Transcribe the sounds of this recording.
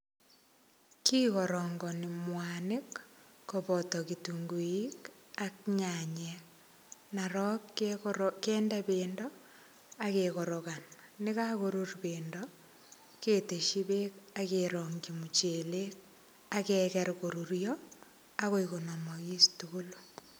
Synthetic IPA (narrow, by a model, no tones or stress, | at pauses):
kiːkɔɾɔŋɡɔnɪmwanɪkː | oβɔtɔkituŋɡuikakɲaɲɛk | naɾɔk | keːndaβeːndɔ | akeɣɔɾokannɪkakoɾuɾbeːndɔ | keteʃiβekakeɾɔŋɡimut͡ʃelek̚ | akɛkɛɾkoɾuɾjɔ | aɣoiɣonamɔɣistuɣulo̥